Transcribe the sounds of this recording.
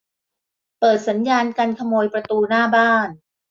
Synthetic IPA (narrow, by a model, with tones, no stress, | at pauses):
pɤː˨˩t̪̚sa˩˦njaː˧nka˧nkʰa˧moː˧jpɾa˧t̪uː˧naː˥˩baː˥˩n